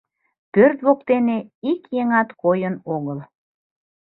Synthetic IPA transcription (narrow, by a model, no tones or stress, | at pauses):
pørt̪βokt̪eneikjeŋɑt̪kojənoɣəl